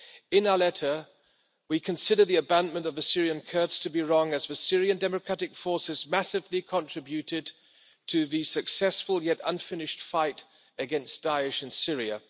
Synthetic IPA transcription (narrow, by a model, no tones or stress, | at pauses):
ɨ̃naəlɛɾə˞ | wikʰɨ̃nsɪɾə˞ðiɨbæ̃nmɨ̃ntʌvɨsɪɹiɨ̃nkʰɜ˞dstʰɨbiɹɔ̃ŋɨzvɨsɪɹiɨ̃ndɛmɨkʰɹ̥æɾɨkfɔɹsɨzmæsɨvlikʰə̃ntʰɹ̥ɪbjʉɾɪd̚ | tʰɨðɨsɨksɛsfəlˠjɛɾʌ̰̃nfɪ̃nɨʃtfaɪɾ | ɨɡɛ̃nsd̥aɪɨʃɨ̃nsɪɹiɨ̰